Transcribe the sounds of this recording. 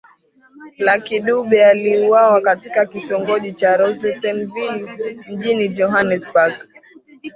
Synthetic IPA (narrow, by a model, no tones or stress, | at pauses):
lakiɗuɓɛaliuwawakatikakitɔŋɡɔʄit͡ʃaɾɔzɛtɛnvilm̩ʄinid͡ʒɔɦanɛsbaɡ